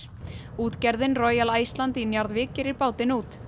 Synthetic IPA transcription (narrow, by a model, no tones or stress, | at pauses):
uːt̪cɛɾðɪnrɔːjalaːjst̪lant̪ɪnjaɾðvɪːcɪɾɪɾpaːwt̪ɪnuːt̪